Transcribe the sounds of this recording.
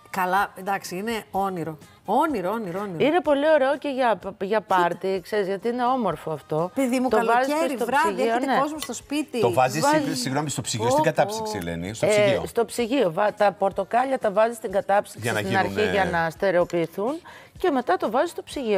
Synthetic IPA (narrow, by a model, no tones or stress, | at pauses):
kɐlɐnd̪ɐksiineoniɾo | oniɾooniɾooniɾine̞po̞lio̞ɾe̞oce̞ʝɐʝɐpɐɾt̪ikse̞ɾizʝɐt̪iine̞o̞mo̞ɾfo̞ɐft̪o̞peðimut̪oɐlvɐzieeɾst̪oɾɐsiʝɐionineozmust̪ospit̪it̪ovɐzisvɐzsiɣnomist̪opsiiossɡɐt̪ɐpsiksilḛnḭst̪osist̪o̞psiʝio̞vɐt̪ɐpo̞ɾt̪o̞kɐʎɐt̪ɐvɐzist̪iŋɡɐt̪ɐpsi̥sɐsɐt̪inɐɾçiʝɐnɐst̪e̞ɾe̞o̞piːθunce̞me̞t̪ɐt̪o̞vɐzist̪o̞psiʝio